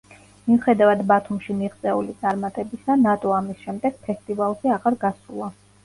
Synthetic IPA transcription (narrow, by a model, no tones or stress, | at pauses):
miuχɛd̪avad̪bat̪ʰumʃimiʁt̪sʼɛulit̪sʼaɾmat̪ʼɛbisanat̪ʼɔamisʃɛmd̪ɛɡ̥̚pʰɛst̪ʼivalˠʃiaʁaɾɡasulˠa